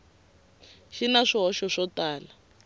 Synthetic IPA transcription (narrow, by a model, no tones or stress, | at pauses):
ʃinaʂiɦɔʃɔʂɔtaːla